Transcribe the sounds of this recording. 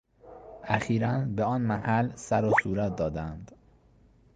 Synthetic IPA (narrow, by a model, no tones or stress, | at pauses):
ʔæxiːɾænbeɒːnmæhælsæɾosuːɾæt̪̚d̪ɒːd̪ænd̪